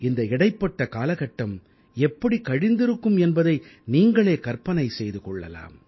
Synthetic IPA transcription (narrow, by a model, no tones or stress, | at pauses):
ɪnd̪ɐɪɽɐɪpːɐʈːɐkaːlɐɣɐʈːɐm | ɛpːɐɽikɐɽɪnd̪ɪɾɯkːɯmɛnbɐðɐɪniːŋɡɐɭeːkɐɾpɐnɐɪsɛjðɯkɔɭːɐ̰la̰ːm